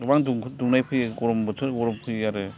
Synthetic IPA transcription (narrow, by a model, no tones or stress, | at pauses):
baŋduŋʰduŋnajpʰɯjɡɔɾɔmbɯtʰɯɾɡɔɾɔmpʰɯjaɾɯ